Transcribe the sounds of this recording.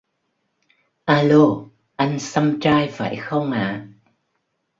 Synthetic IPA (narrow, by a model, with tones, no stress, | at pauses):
ʔaː˧lo˧ | ʔa˧jŋ̟sa˧mt͡ɕaː˧jva̰ː˧˩jxə˧wŋ͡mʔaː˧˨